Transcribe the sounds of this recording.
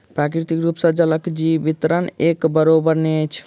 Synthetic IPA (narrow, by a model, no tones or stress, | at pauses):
pɾakɾit̪ikɾupsəd͡ʒələkd͡ʒiʋit̪ɾənekbəɾobəɾnet͡ʃʰ